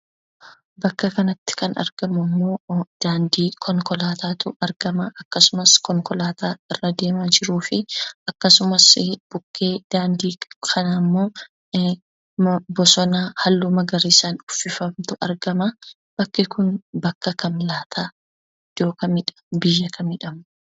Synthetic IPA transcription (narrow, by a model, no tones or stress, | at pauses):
bɐkːɐkɐnɐt̪ːɪ̥kʰɐnɐ̰ɾɡ̥ɐmʊmːo̞ːd̪̥aːnd̪iːkʰɔŋkɔlaːt̪ʰaːt̪ʊ̰ɐɾɡɐmɐʔɐkːɐsʊmɐskɔŋkɔlaːt̪aːɪrːɐd̪e̞ːmaːd͡ʒɪɾuːfɪɐkːɐsʊmɐsb̥ʊkʰːe̞ːd̪̥aːnd̪iːkʰɐnamːo̞ː | bɔsɔnaːhɐlːumɐɡɐɾɪsaːnʊfːɪfɐmt̪ʊɐ̰ɾɡɐmɐ | b̥ɐkːɪkʊnbɐkːɐkɐmlaːt̪ʰaː | d͡ʒ̥oːkɐmɪᶑ | bɪjːɐkɐmɪᶑɐmʊ